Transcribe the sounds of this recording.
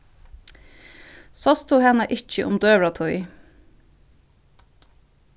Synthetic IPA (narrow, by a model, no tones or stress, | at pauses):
sɔst̪ʰuːhɛnəʔɪc͡çəʔʊmd̪øːʋɹɑt̪ʰʊʏ